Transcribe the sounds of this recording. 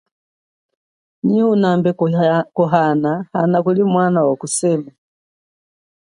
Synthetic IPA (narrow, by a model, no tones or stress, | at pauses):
ɲiunambɛkuɦanahanakulimwanawakusɛma